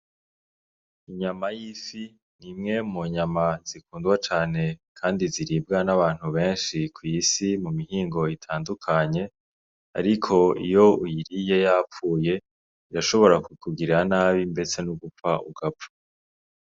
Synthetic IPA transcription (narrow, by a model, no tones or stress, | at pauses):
iɲamajifi | nimŋe̞muɲamaz̥ikuːndɡwat͡ʃaːne̞kʰaːndiziɾib̚ɡanaβaːn̥huβe̞ːnʃikwiːsimumiɦiːŋɡo̞itʰaːndukʰaɲe̞ | a̰ɾikʰo̞ḭjo̞ujiɾije̞jaːp͡fuːje̞ | iɾaʃo̞βo̞ɾakukuɡiɾanaːβimbe̞t͡se̞nuɡup͡faʔṵɡapfḁ